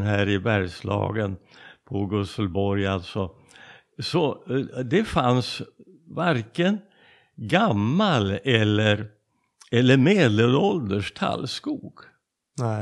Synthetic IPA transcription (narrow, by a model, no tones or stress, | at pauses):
nɦæːɾɪbæɾjʂlɑ̰ːɡənpʰɔɡɵsəlbɔɾjalt̪sɔ | sɔd̪ɛfans | vaɾkən | ɡamːalɛlːəɾ | ɛlːəɾmeːd̪ləlɔld̪əʂt̪ʰa̰lːskuːɡ̥